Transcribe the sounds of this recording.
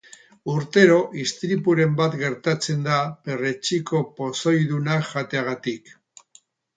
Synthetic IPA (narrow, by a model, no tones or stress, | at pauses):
uɾt̪e̞ɾo̞ʔist̪ɾipuɾe̞mbat̪ɡe̞ɾt̪at͡se̞nd̪ape̞ret͡ʃiko̞po̞so̞jðunaʝat̪e̞aɣ̞at̪ik